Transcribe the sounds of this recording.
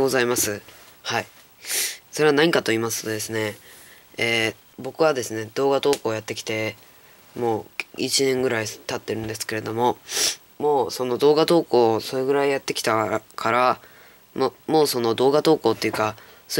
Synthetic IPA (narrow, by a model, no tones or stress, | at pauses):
ozaimasɨhai | so̞ɾe̞βanaɲ̟ikat̪o̞iːmasɨ̥t̪o̞d̪e̞sɨne̞ | eː | bo̞kɯ̟βad̪e̞sɨne̞d̪̥o̞ːɡat̪o̞ːko̞ːjat̪ːe̞kʲi̥t̪e̞ | mo̞ːḭt͡ɕinẽ̞ŋɡɯ̟ɾait̪at̪ːe̞ɾɯ̟̃nd̪e̞sɨ̥ke̞ɾe̞d̪o̞mo̞ | mo̞ːso̞no̞d̪o̞ːɡad̪o̞ːko̞ːso̞ɾe̞ɡɯ̟ɾaijat̪ːe̞kʲi̥t̪akʰaɾa | mmo̞ːso̞no̞d̪o̞ːɡat̪o̞ːko̞ːt̪ːeiɯ̟ka | so